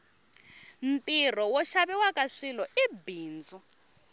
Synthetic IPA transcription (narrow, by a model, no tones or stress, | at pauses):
n̩tʼir̤ɔwɔʃaβɛwakʼaʂilɔibiːnd͡zɔ